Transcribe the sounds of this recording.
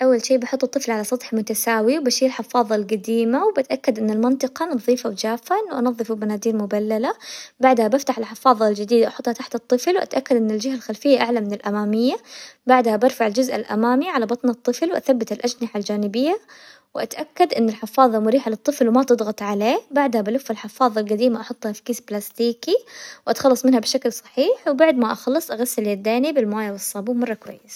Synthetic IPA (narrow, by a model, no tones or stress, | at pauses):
ʔawːalʃiːbɑħʊt̪ˤːɨt̪ˤːɨflʕalasˤɑt̪ˤħmʊt̪asaːwiwbaʃiːlħɪfɑːðˤɑlɡad̪iːmawbat̪ʔakːad̪ʔɪnːɪlmɑnt̪ˤɨqɑnɑðˤiːfawd͡ʒaːfːaʔɪnːʊʔɑnɑðˤːɨfulmanaːd̪iːɾmʊbalːalabaʕd̪habaft̪aħɪlħɪfɑːðˤɑld͡ʒɪd̪iːd̪ʔɑħʊt̪ˤhɑt̪aħt̪ɨt̪ˤːɨflwʔa̰t̪ʔakːad̪ʔɪnːɪld͡ʒɪɦalxalfɪjːaʔaʕlamɪnɪlʔamaːmɪjːabaʕd̪habɑɾfaʕɪld͡ʒʊzʔa̰lʔa̰maːmiʕalabɑt̪ˤnɑt̪ˤːɨflwʔa̰θabːat̪ɪlʔad͡ʒnaħald͡ʒaːnɪbɪjːa | wʔa̰t̪ʔakːad̪ʔɪnːɪlħɪfɑːðˤɑmʊɾiːħalɨt̪ˤːɨflwɪmat̪ɨd̪ˤɣɑt̪ˤʕaleːbaʕd̪habalʊfːalħɪfɑːðˤɑlqad̪iːmaʔɑħʊt̪ˤːhafkiːsblast̪iːkiwʔat̪xɑlːɑsˤmɪnhabʃaklsˤɑ̥ħiːħwbaʕd̪maʔɑxɑlːɨsˤʔaɣasːɪljad̪ːaːnibɪlmaːjawɨsˤːɑːbuːmɑrˤːɑkwa̰jːɪs